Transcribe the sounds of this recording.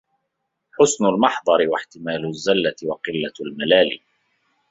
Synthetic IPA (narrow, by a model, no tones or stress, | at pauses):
ħʊsnʊlmɑħd̪ˤɑɾɪwaħt̪ɪmaːlʊzːalːat̪ɪwɑqɪlːalmalaːlḭː